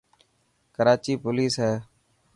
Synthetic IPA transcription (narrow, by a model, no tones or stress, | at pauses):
kəɾaːt͡ʃiːpʊliːsɦɛː